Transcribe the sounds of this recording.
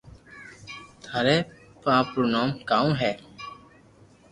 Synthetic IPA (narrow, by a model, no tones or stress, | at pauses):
t̪ʰaːɾeː | pãːpɾoːnaːmkaːõːɦɛː